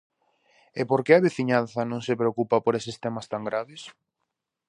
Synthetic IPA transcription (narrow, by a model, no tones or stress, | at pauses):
epoɾkeɐβeθiɲanθɐnõŋsepɾeokupapoɾesest̪ɛmast̪aŋɡɾaβɪs